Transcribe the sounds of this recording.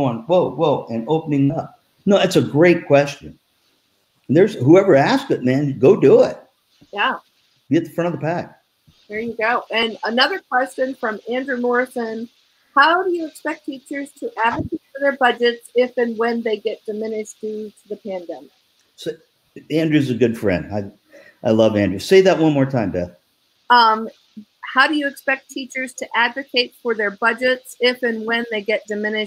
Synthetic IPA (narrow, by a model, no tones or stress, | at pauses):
ʊɪ̃ŋwoʊwolˠɨ̃noʊpənɪ̃ŋʌp̚ | noʊɨtsɨɡɹeɪt̚kʰw̥ɛst͡ʃɨ̰̃ñ | n̩ðə˞z̥huɛvə˞æskɨt̚mæ̃nɡoʊduɪt̚ | jæ | b̥iɨt̪̚ðəfɹʌ̃ɾ̃ʌvðəpʰæk̚ | hiɹjɨɡoʊʔɨ̃nənʌðə˞kʰw̥ɛst͡ʃɨ̃nfɹʌ̃mæ̃ndɹʉmɔɹsɨ̃n | haʊɾɨjɨɨkspɛk̚tʰit͡ʃə˞z̥tʰəʔævɨkʰefəðə˞bʌd͡ʒɨtsɪfɨ̃nwɨ̃nðeɪɡɛt̚d̥ɨmɪ̃nɨʃðitðɨpʰæ̃ndɛmɪk̚ | so | æ̃ndɹʉzɨɡʊd̥fɹɛ̰̃ndaɪ | ʔaɪlʌvæ̃ndɹʉseɪðət̚wʌ̃nmɔɹtʰãɪ̃mdɛθ | ʌ̃m | haʊɾɨjɨːkspɛk̚tʰit͡ʃə˞z̥tʰɨʔædvɨkʰeɪtfə˞ðə˞bʌd͡ʒɨtsɪfɨ̃nwɨ̃nðeɪɡɛt̚d̥ɨmɪ̃nɨ